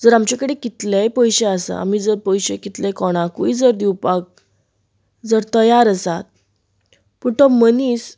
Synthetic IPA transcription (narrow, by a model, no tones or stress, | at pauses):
d͡zəɾamt͡ɕakəɽekit̪lepəjɕeasə̰a̰m̤iːd͡zəɾpəjɕekit̪lɛkɔɽ̃ãkuid͡zəɾd̪iwpak̚ | d͡zəɾt̪əjaɾəsat̪̚ | pəɳt̪ɔməniːs